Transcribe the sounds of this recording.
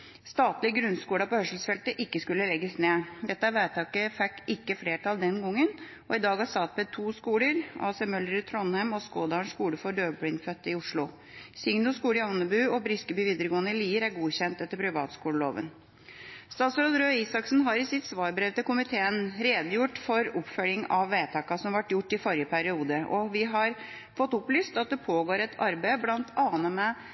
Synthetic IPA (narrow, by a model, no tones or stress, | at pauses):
st̪ɑːt̪lɪəɡɾʉnskuːɽɑpɔhœʂl̩sfɛlt̪əʔɪkːəskʉlːəlɛɡːəsneːd̪ɛt̪ːəɑʋæɪt̪ʰɑːkəfɛkːɪkːəfleːʈʰɑld̪ɛnɡɔŋːən | ɔɪd̪ɑːɡɑsɑt̪̚bɛt̪ʰuːskuːləɾɑ̰ːsɛmœləɾt̪ʰɾɔnhæɪmɔskoːd̪ɑːɳʂkuːɽəfɔɖøːbɽɪnfœt̪ːɪʊʂɭʊ | sɪŋnʊskuːləɪɑnəbʉːɔbɾɪskəbyːʋiːd̪əɾəɡoːnəɪliːʋəɾæɾɡuːçɛnt̪ɛt̪ːəɾpʰɾɪʋɑːt̪skuːləlo̰ːʋə̰n | st̪ɑːt̪sɾɔːd̪ɾøːisɑksn̩ɦɑɾɪsɪt̪sʋɑːɾbɾɛʋt̪əkʊmɪt̪ʰeːənɾeːd̪əjʊʈːfɔɾʊpːfœlɪŋɑʋːeːt̪ʰɑːkɑsɔmʋɑʈːjʊʈːɪfɔɾjəpʰæɾɪuːd̪əʔɔʋɪɦɑɾ | fɔt̪ːʊplyːst̪ɑt̪̚d̪ɛpʰoːɡoːɾɛt̪ʰɑɾbæɪblɑnt̪ʰɑːnəmɛ